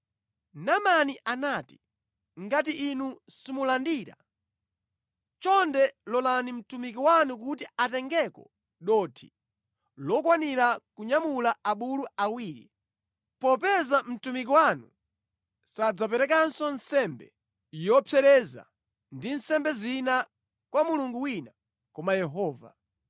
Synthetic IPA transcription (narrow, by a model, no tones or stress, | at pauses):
namaniʔanaːti̥ | ŋɡatiʔːnusimulandiːɾa̰ | t͡ʃɔndɛlɔlanim̩tumik̬iwanuk̬utiatɛŋɡɛkɔ̰ | ɗɔtʰi̥̰ | lɔkwaniɾakuɲamulaaɓuluawiːɾḭ | pɔpɛzam̩tumik̬iwanu | sad͡zapɛɾɛkansɔnsɛmbɛ | jɔpʰɛɾɛza̰ | ndinsɛmbɛzina | kwamuluŋɡuwina | kɔmajɛɦɔːva̰